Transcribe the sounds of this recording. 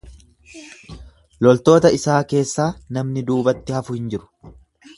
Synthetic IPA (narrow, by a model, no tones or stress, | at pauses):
lɔlt̪o̞ːt̪ɐɪsaːke̞ːsːaːnɐmnɪd̪uːbɐt̪ːɪhɐfʊhɪnd͡ʒɪɾʊ̥